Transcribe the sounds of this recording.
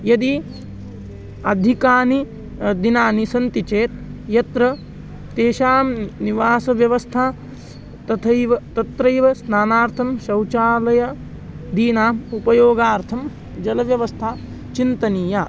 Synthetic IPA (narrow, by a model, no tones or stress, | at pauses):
jɐd̪i | ɐd̪ʱikaːni | d̪inaːnisɐnt̪it͡ʃeːt̪̚jɐt̪ɾɐ | t̪eːʃaːmniʋaːsɐʋjɐʋɐst̪ʰaː | t̪ɐt̪ʰɐjʋɐt̪ɐt̪ɾɐjʋɐsnaːnaːɾt̪ʰɐmʃɐwt͡ʃaːlɐjɐ | d̪iːnaːmupɐjoːɡaːɾt̪ʰɐm | d͡ʒɐlɐʋjɐʋɐst̪ʰaː | t͡ʃint̪ɐniːja